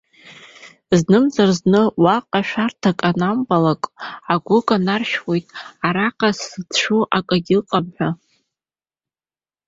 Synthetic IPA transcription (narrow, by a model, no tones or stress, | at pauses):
znɨmzarznɨwaqʼaʃᶣartʰakʼanambalakʼaɡʷʊɡanarʃᶣwojtʼaɾaqʼasɨtʰʂuʔakʼaɡʲɪlqʼamħʷᶣa